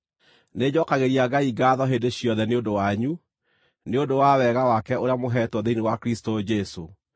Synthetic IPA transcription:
ned͡ʑɔkaɣeɾiaɡaiɡaːðɔɦendeɕjɔðɛneondowaɲu | neodowawɛɣawakɛoɾeamoɦɛtwɔðeinewakɾistod͡ʑɛso

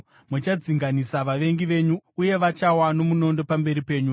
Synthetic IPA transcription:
mut͡ʃad͡ziŋɡanisaʋaʋe̞ŋɡiʋe̞ɲuuje̞ʋat͡ʃawano̞muno̞ndo̞pambe̞ɾipe̞ːɲu

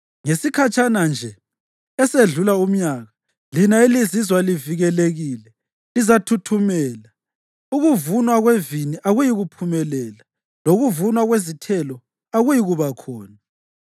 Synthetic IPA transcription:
ŋesikʰat͡ʃʼanand͡ʒʱɛ | ɛseɮulaum̩ɲaɣa | linailizizwaliviɣɛleɣilɛ | lizatʰutʰumɛːla | uɣuvunwaɣweviniʔaɣujiɣupʰumɛlɛːla | loɣuvunwaɣwezitʰɛlɔ | aɣujiɣuβakʰɔːna

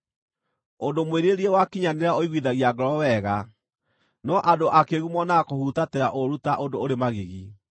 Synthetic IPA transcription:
ondomweɾeɾiewakiɲaneɾaoiɣwiðaɣiaɡɔɾɔwɛɣa | nɔʔadoʔakeɣumɔnakohutateɾaʔoɾutaʔondooɾemaɣeɣi

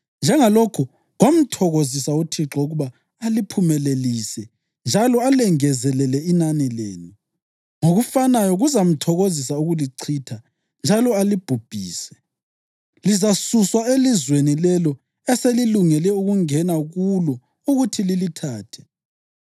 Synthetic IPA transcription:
nd͡ʒʱɛŋalokʰu | ɣom̩tʰɔɣozisautʰiǁɔuɣuβaː | lipʰumɛleliːsɛ | nd͡ʒʱalɔalɛŋɛzɛlɛlɛinanilḛːnu | ŋoɣufanajɔɣuzam̩tʰɔɣozisauɣuliǀʰiːtʰa | nd͡ʒʱalɔalib̥ʱub̥ʱiːsɛ̥ | lizasuswaelizwenilɛlɔ | ɛseliluŋɛlɛuɣuŋɛnaɣulɔ | uɣutʰililitʰaːtʰɛ̥

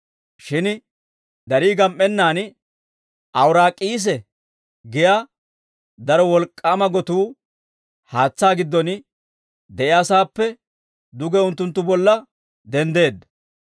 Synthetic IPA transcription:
ʃɪn | d̪ɐɾiːɡɐmʔʼːɛnːaːn | ʔɐwɾaːkʼiːs̬ɛ | ɡɪjaː | d̪ɐɾɔwɔlkʼːaːmɐɡɔt̪uː | haːt͡sːaːɡɪd̪ːɔn | d̪ɛʔɪɐsaːpːɛ | d̪ʊɡɛʊnt̪ːʊnt̪ːʊbɔlːɐ | d̪ɛnd̪e̞ːd̪ːɐ̥

